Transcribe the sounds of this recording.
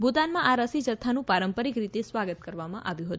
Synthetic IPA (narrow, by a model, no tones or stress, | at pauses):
bʱut̪anmãʔaɾəsid͡ʒət̪ʰːanũpaɾəmpəɾikɾit̪esʋaɡət̪kəɾʋamã̰ʔaʋjũɦət̪